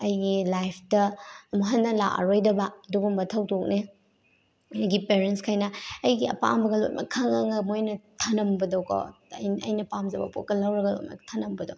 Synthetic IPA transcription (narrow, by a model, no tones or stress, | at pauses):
ɐjɡilajpʰdɐmoɦɐnːɐla̰ʔa̰ɾojdɐbɐduɡumbɐtʰɐwtʰok̚ne | ɐjɡipeɾentskʰajnɐːjɡiɐ̰pa̰mbɐɡɐlo̰t̚mʔɐ̰kʰaŋaŋɐmojnɐtʰɐnɐmbɐdɐwkɔ̰jɐjnɐpamzɐbɐ̰pʰo̰t̚kɐlɐwɾɐɡɐlo̰tmɐ̰tʰɐnɐmbɐdo̰w